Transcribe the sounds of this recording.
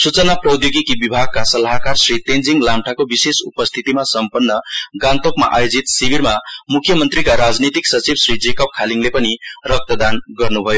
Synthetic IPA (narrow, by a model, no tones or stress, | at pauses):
sut͡sʌnaprʌd̪joɡikibibʱaɡ̚kasʌlaɦkarsrit̪end͡ziŋlamʈʰakobisesupʌst̪ʰit̪imasʌmpʌnːʌɡãnt̪okma̰ʔajod͡zit̪sibiɾmamukʰːjʌmʌnt̪rikaɾad͡znit̪iksʌt͡sibsrid͡zekʌp̚kʰaliŋlepʌnirʌk̚t̪ʌd̪anɡʌrnubʱʌjo